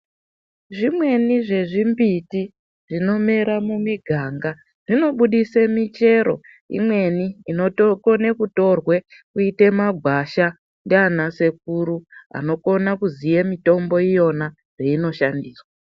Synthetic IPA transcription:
ʐimwe̞niʐe̞ʐimbiti | ʐ̥ino̞me̞ɾamumiɡʱaːŋɡa | ʐ̥ino̞ɓuɗisemit͡ʃe̞ɾo̞̰ | ḭmwe̞niːno̞tokone̞kuto̞rwe̞kuite̞maɡʱwaʃa | ndeanase̞k̚uɾua̰no̞ko̞nakuzijemito̞mbo̞ijo̞na | reino̞ʃandiːrwa

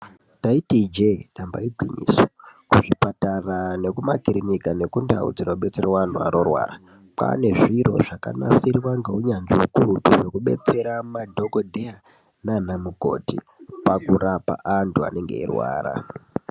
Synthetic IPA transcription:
taitid͡ʒeɗambaiɡʱwiɲḭːswo̥kuʐipatarane̞kumakiɾinikane̞kunda̰ṵd͡zino̞ɓe̞t͡se̞rwan̤ua̰ɾorwa̰ːra | pa̰ne̞ʐiro̞̰ʐaka̰na̰siriwaŋɡeuɲanʐiwokurupiʐe̞kuɓe̞̰t͡se̞ɾamadʱo̞kodʱea | nanamuko̞̰tḭ | pakuɾapa̰ʔantua̰ne̞ŋɡe̞̰ḭrwa̰ːra̰

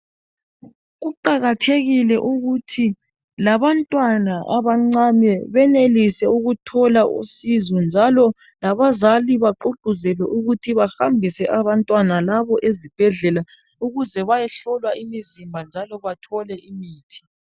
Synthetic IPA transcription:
ɣuǃaɣatʰeɣilɛʔuɣutʰi | laβantʼwanaʔaβaŋ͡ǀamɛβɛnelisɛuɣutʰɔlaʔṵsizɔnd͡ʒʱalɔ | laβazaliβaǃoɡ͡ǃʱuzɛlɛʔuɣutʰiβahambʱisɛʔaβantʼwanalaβɔʔezib̥ʱɛɮɛla | uɣuzɛβajɛɬɔlwaimizimbʱand͡ʒʱalɔβatʰɔlɛʔimiːtʰi̥

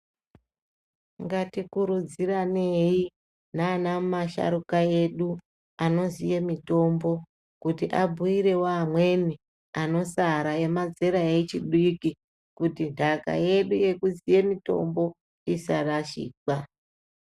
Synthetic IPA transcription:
ŋɡatikuɾud͡zirane̞i | naːnamumaʃa̰ɾukae̞ɗu | ano̞zije̞mito̞mbo̞ | kutiʔabʱuiɾe̞wamwe̞ni | ano̞saɾae̞mad͡zeɾaet͡ʃiɗiki | kutintʰaka̰je̞ɗuje̞kuzije̞mito̞̰mbo̞ | isaraʃḭːk͡pa

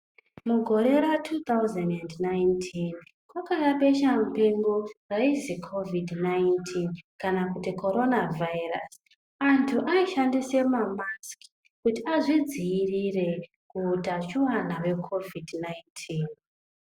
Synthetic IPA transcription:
muɡʱo̞ɾe̞ɾatʰut̪auzendendnajntʰin | kwakaraɓe̞ʃamupeŋɡoraizikʰovidnajntʰinkanakutikʰo̞ɾo̞navʱaira̰s | antʰuʔaiʃandise̞mamaski̥ | kutiaʐid͡ziːrire̞ | kuːtat͡ʃuwanawe̞kʰo̞vidnajntʰin

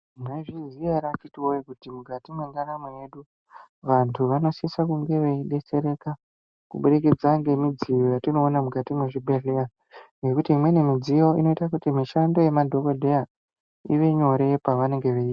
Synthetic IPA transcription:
neʐiziaɾat͡ʃitiwoikutimuɡʱatimwe̞ŋɡanamejeɗu | ʋantʰuʋano̞sisakuŋɡe̞ʋeiɗe̞t͡se̞ɾe̞ka | kuɓuɗeked͡zaŋɡe̞mid͡zijojatino̞ːnamuɡʱatimweʐibʱeɮea | ŋɡe̞kutiːmwe̞ne̞mid͡zijo̞ino̞itakutimiʃando̞je̞madʱo̞ko̞dʱe̞a | ḭʋe̞ɲo̞ɾe̞paʋane̞ŋɡe̞ʋeita

